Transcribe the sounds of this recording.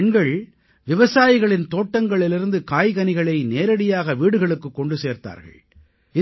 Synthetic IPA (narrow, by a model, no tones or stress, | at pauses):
ɳɡɐɭ | ʋɪʋɐsaːjɪɣɐɭɪnt̪oːʈːɐŋɡɐɭɪlɪɾɯnd̪ɯkaːjɣɐnɪɣɐɭɐɪneːɾɐɽɪjaːɣɐʋiːɽɯɣɐɭɯkːɯkːɔɳɖɯseːɾt̪a̰ːɾɣɐ̰ɭ | ɪ